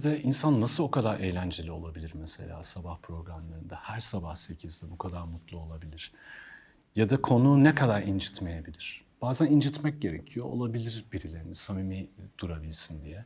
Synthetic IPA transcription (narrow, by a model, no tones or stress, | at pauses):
id̪ɛʔinsanːasɯlˠo̞kʰad̪aɾʔejlʲænd͡ʒe̞lʲio̞lˠabilʲiɾmese̞̰lʲa̰ːsabahpʰɾo̞ɡɾamlˠaɾɯnd̪ahæɾsabahse̞cʰizd̪ɛbukʰad̪aɾmut̪ʰlˠuo̞lˠabilʲiɾ̥ | jad̪akʰo̞nuːnekʰad̪aɾind͡ʒit̪me̞je̞bilʲiɾ̝̥ | b̥aːzænind͡ʒit̪mɛc̚ɟe̞ɾe̞̰cʰijo̞o̰lˠabilʲiɾbiɾilʲe̞ɾimisamimid̪̥uɾabilʲsind̪ijɛ